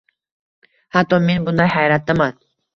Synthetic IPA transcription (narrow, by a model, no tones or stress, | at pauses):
hat̪ːɔmenbʊnd̪ajhajɾat̪̚d̪aman